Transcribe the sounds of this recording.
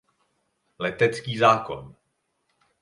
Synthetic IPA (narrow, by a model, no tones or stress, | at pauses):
lɛt̪ɛt͡skiːzaːko̞̰n